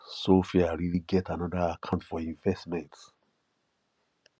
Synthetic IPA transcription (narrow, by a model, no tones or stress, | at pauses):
sofiaɹiliɡɛtʰanɔdəakʰãntfɔĩɱvɛstmɛ̃nts